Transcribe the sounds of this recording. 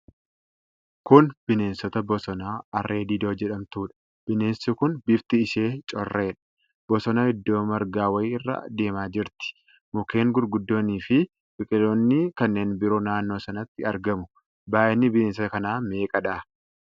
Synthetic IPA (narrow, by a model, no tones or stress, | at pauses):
kʊnb̥ɪne̞ːnsɔt̪ɐbɔsɔnaːɐrːe̞ːd̪iːd̪o̞ːd͡ʒɛᶑɐmt̪uːᶑɐ̥ | b̥ɪne̞ːnsʊkʊnbɪbt̪ɪːʃe̞ːt͡ʃʼɔrːeːᶑɐ̥ | b̥ɔsɔnɐhɪd̪ːo̞ːmɐɾɡaːwɐɪɪrːa̰ːd̪e̞ːmaːd͡ʒɪɾt̪ɪ̥ | mʊke̞ːŋɡʊɾɡʊd̪ːo̞ːniːfɪ | bɪkʼɪlo̞ːnːɪkɐnːe̞ːnbɪɾoːnaːnːo̞ːsɐnɐt̪ːɪɐɾɡɐmʊ | baːʔɛnːɪbɪne̞ːnsɔt̪ɐkɐnaːme̞ːkʼɐᶑaː